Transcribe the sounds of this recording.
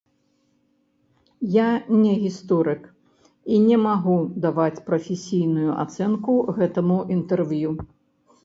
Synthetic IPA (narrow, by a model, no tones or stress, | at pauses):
janʲɛɣʲist̪ɔɾɨk | inʲɛmaɣud̪avat͡sʲpɾɐfʲɛsʲijnujuʔa̰t̪sɛnkuɣɛt̪ɐmuʔint̪ɛrvju